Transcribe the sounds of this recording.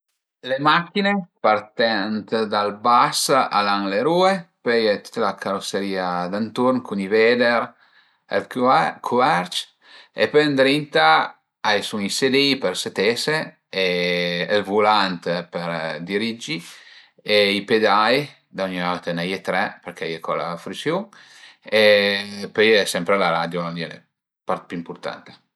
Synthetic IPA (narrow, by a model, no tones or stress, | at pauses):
lemakːinepart̪ɛnt̪d̪albasa̰laŋleɾuepøjet̪u̥t̪ːlakʰaɾoseɾiːad̪ant̪uɾnkunived̪eɾ | ḛlkkʰuɛɾt͡ʃ | ḛpønd̪ɾint̪a | ajsuŋised̪epeɾset̪ese | eː | lvulant̪peɾd̪iɾid͡ʒi | eiped̪aj | d̪auɲaɔt̪enajet̪ɾɛpeɾk̟ɛjekɔla̰fɾisjuŋ | epøjɛsɛmpɾelaɾad̪joliɛlḛ | paɾt̪̚pyimpuɾt̪a̰nt̪e̥